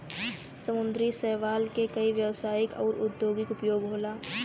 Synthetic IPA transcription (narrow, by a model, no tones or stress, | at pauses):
səmʊ̃nd̪ɾisɛɦʋaːlkekɐiʋjəʋsaːjɪkɔːɾʔʊd̪joːɡɪkʊpjoːɡɦoːlaː